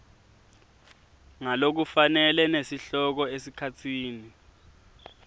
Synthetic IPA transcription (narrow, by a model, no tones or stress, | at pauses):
ŋalok̬ufanɛlɛnesiɬɔk̬ɔesikʰatʰiːni